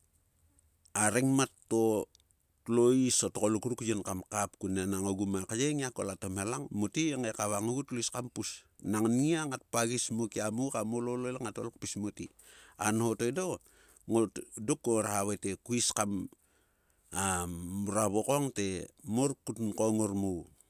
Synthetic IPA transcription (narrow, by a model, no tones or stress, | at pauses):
aɾeŋmatːo | tloisotokolukɾukjonkamkap̚kunenaŋoɡumakajeŋiako̰latomhelaŋmotieŋekaβaŋoɡutloiskampusnaŋniaŋat̚paɡismokiamukamolololaŋatolok̚pismoti | anhotodo | ŋodokoɾhaβate̞kuiskam | auɾaβokoŋte̞moɾkutnkoŋoɾmuw